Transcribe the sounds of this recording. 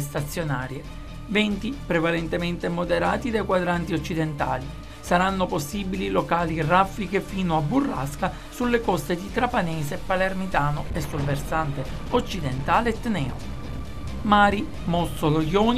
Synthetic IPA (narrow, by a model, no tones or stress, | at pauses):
st̪at̪sːjonaːɾje | vɛnt̪ipɾevalent̪ement̪emod̪eɾaːt̪id̪ajkwad̪ɾant̪iot͡ʃːid̪ent̪a̰ːli | saɾanːoposːibililokaːlirafikefiːnoabːurːa̰ska | sulːekɔst̪ed̪it̪ɾapanɛːsepːalermit̪aːnoesːulversant̪eot͡ʃːid̪ent̪aːleɛt̪ːnɛːo̰ | maːɾi | mɔsolojɔːn